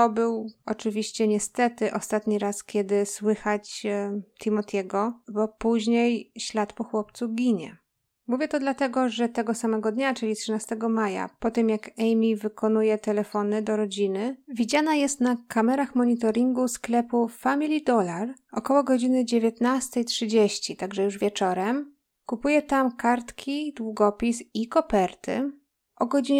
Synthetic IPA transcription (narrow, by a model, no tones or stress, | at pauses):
t̪ɔbɘwɔt͡ʂɘvʲiɕt͡ɕɛɲɛst̪ɛt̪ɘʔɔst̪at̪ɲiɾaskʲɛd̪ɘswɘxat͡ɕt̪ʰʲimɔt̪ʲjɛɡɔbɔpuʑɲejɕlʲat̪pɔxwɔp̚t̪suɡʲiɲɛ̰ | muvʲɛt̪ɔd̪lat̪ɛɡɔʐɛt̪ɛɡɔsamɛɡɔd̪ɲat͡ʂɘlʲitʂɨnast̪ɛɡɔmaja̰pɔt̪ɘmjakɛjmʲivɘkʰɔnujɛt̪ɛlɛfɔnɘd̪ɔɾɔd͡ʑinɘvʲid͡ʑanajɛst̪nakamɛɾaxmɔɲit̪ɔɾʲiŋɡusklɛpufamʲilʲid̪ɔlaɾɔ̰kɔwɔɡɔd͡ʑinɘd͡ʑevʲjɛt̪nast̪ɛjtʂɘd͡ʑeɕt͡ɕit̪aɡʐɛjuʐvʲjɛt͡ʂɔɾɛm | kupujɛt̪amkaɾt̪kʲid̪wuɡɔpʲisikɔpɛɾt̪ʰɘ̰ | ʔɔɡɔd͡ʑiɲ